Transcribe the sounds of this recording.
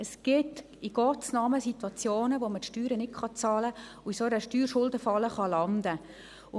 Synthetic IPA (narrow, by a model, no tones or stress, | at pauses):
əsɡ̥ɪt | iɡ̥ɔt͡snɑməsit̪wɑt͡sjoːnəʋomətʃtyːɾənɪkχɑt͡sɑːləʊisoəɾəʃtyːɾʃʊldəfɑləχɑlɑnd̥̪ə | ʊ